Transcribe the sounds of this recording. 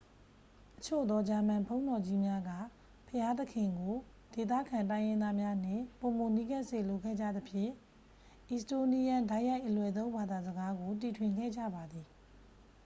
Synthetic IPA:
ʔət͡ɕʰo̰˦˨d̪ɔ˦d͡ʑa˨m̥ã˨mpʰõ˦ʊ̃ndɔ˨d͡ʑi˦mja˦ɡä̰˦˨ | pʰəja˦t̪əkʰɪ̃˨ŋɡo˨ | d̥e˨t̪̬a̰˦˨kʰã˨ntã˦ɪ̃jɪ̃˦nd̪a˦mja˦n̥ɪ̰̃˦˨po˨mo˨ni˦ɡɛ˦ʔsḛ˦˨lo˨kʰɛ̰˦˨d͡ʑä̰˦˨d̪ə˨pʰjɪ̰̃˦˨ | ʔi˨sto˨ni˦jã˦nda˦ɪʔja˦ɪʔəlwɛ˨t̪̬õ˦ʊ̃mba˨d̪a˨zə˨ɡa˦ɡo˨t̬i˨tʰwɪ̃˨ŋɡɛ̰˦˨d͡ʑä̰˦˨ba˨d̪i˨

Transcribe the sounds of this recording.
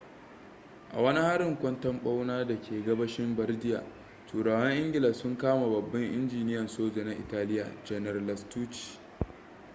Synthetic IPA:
ʔa̰˨wɐ˦ni˦ha˦ɾɪ˨ŋkʷʼɐ˦ntɐ˦mɓa˦wnaː˦da˨kʲʰeː˨ɡɐ˦bɐ˦ʃɪ˦mbɐ˦rdɪ˦jaː˨ | t͡ʃuː˨ɽaː˨wɐ˦ŋʔɪ˦ŋɡʲɪ˨lɐ˨sʊ˦ŋkaː˦ma˨bɐ˨bːɐ˦ŋʔɪ̰˦nd͡ʒiː˨nɪ˦jɐ˨nsoː˦d͡ʒe˨na˦ʔɪ̰˨taː˦lɪ˦ja̰ː˨d͡ʒɛ˨nɐ˨rlɐ˨stuː˦t͡ʃi̥˨

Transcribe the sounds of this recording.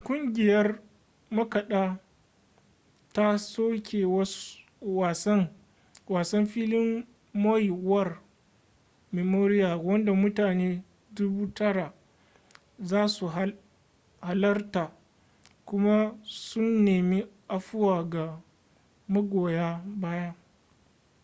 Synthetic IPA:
kʷʊ˦ŋɡʲɪ˨jɐ˦r | mɐ˦kɐ˨ɗa˦ | ta˦soː˦kʰʲeː˨wɐ˦ | waː˨sɐ˦ŋ | waː˨sɐ˦mɸiː˦lɪ˦mː | ɔ˦jwɐ˦˨r | me˨moː˦ɾɪ˦jaː˨wɐ˦nda˨mʊ˦taː˨neː˦ | dʊ˦buː˦tɐ˦ɽa˨ | zaː˦su˨ɦa˦ | ha˨lɐ˦rta˨ | kʷʊ˦ma˦sʊ˦nːeː˨mi˦ʔa˨ɸʊ˦waː˨ɡa˨ | mɐ˦ɡʷoː˨jaː˦baː˦ja˦

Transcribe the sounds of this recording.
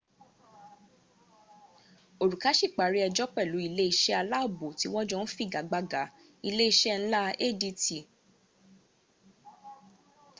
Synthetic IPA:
o˨ɾu˨ka˨˦ʃi˦˨k͡pa˨ɾi˨˦ɛ˧d͡ʒɔ˦k͡pɛ˦˨lu˨˦i˧le˦i˧ʃɛ˦a˧la˦o˦˨bo˨ti˨˦w̃ɔ̃˦d͡ʒɔ̃˦˧n̩˦fi˦˨ɡa˨˦ɡ͡ba˧˦ɡa˨˦ | i˧le˦i˧ʃɛ˦ñ̩˦la˦e˦˨di˧ti˨

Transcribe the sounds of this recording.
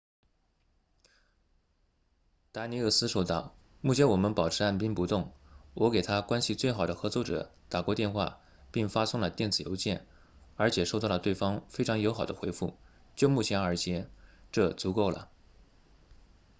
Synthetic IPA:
t̪a˧˥ni˧˥ɤ˥˩sɹ̩˥ʂo˥˩ʊt̪ɑ˥˩ʊ | mu˥˩t͡ɕʰjɛ˧˥nwɔ˨˩mə˦npɑ˨˩ʊʈ͡ʂʰɻ̩˧˥a˥˩npi˥ŋpu˧˥t̪ʊ˥˩ŋwɔ˧˥ke˨˩ɪt̪ʰa˥kwa˥nɕi˨t͡swe˥˩ɪxɑ˨˩d̪ə˦xɤ˧˥t͡swɔ˥˩ʈ͡ʂɤ̰˨˩˦t̪a˨˩kwɔ˧˥t̪jɛ˥˧nxwa̰˥˧ | pi˥˩ŋfa˥sʊ˥ŋlə˨t̪jɛ˥˩nt͡sɹ̩˨˩jo̰˧˥ʊt͡ɕjɛ˥˩n | ə˞˧˥t͡ɕʰjɛ˨˩ʂo˥˧ʊɑ˥˩lə˩t̪we˥˩ɪfɑ˥ŋfe˥ʈ͡ʂʰɑ˧˥ŋjo˧˥ʊxɑ˨˩ʊd̪ə˦xwe˧˥ɪfṵ˥˩ | t͡ɕjo˥˧ʊmu˥˩t͡ɕʰjɛ˧˥nə˞˧˥t͡ɕʰjɛ˧˥ʈ͡ʂɤ˥˩t͡su˧˥ko˥˩ʊlə̰˩

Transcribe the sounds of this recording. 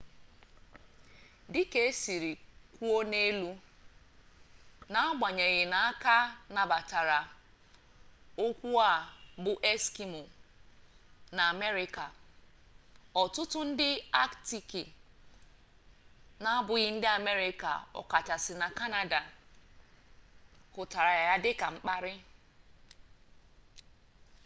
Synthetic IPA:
dɪ˦ke˨e˦si˨ɾi˨kʷu˦o˦ne˦lu˦ | na˦a˦ɡ͡ba˨ɲe˨ɣɪ˨na˨a˦ka˦na˨ba˨ta˨ɾa˨ | o˦kʷu˦a˨bʊ˨ʔe˦ski˦mʊ˨ | na˨a˨me˦ɾɪ˦ka˨ | ɔ˨tʊ˦tʊ˦n̩˦dɪ˦a˦kti˨ki˨ | na˦a˦bʊ˨ɣɪ˦n̩˦dɪ˦a˨me˦ɾɪ˦ka̰˨ɔ̰˨ka˨ta˨sɪ˨na˨ka˦na˨da˨ | kʊ˨ta˨ɾa˨ɣa˨ja˦dɪ˦ka˨ŋ͡m̩˦k͡pa˦ɾɪ˦

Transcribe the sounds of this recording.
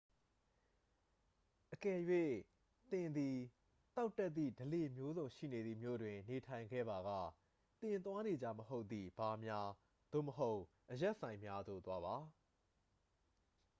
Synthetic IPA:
ʔəkɛ˨jwe˦˨ | t̪ɪ̃˨nd̪i˨ | t̪a˦ʊtːɛ˦t̪ːḭ˦˨dəle˨mjo˦zõ˨ʊ̃ʃḭ˦˨ne˨d̪ði˨mjo̰˦˨dwɪ̃˨ne˨tʰã˨ɪ̃ŋɡɛ̰˦˨ba˨ɣa̰˦˨ | t̪ɪ̃˨nt̪wa˦ne˨d͡ʑa̰˦˨məɦo˦ʊt̪ːðḭ˨b̥a˨mja˦ | d̪̥o̰˦˨məɦo˦ʊ | ʔəjɛ˦ʔsã˨ɪ̃mja˦d̪o̰˦˨t̪wa˦ba˨˦

